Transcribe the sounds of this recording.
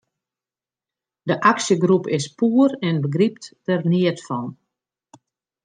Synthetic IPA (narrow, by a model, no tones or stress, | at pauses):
dəʔaksjəɡrupɪspuərɛnbəɡrip̚ttərniətfɔn